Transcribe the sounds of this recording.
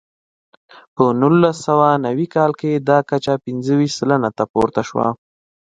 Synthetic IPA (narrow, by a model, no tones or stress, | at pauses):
pənulːasawanawikɑlked̪ɑkat͡ʃapɪnzəwiʃsələnat̪apo̰ɾt̪aʃwa̰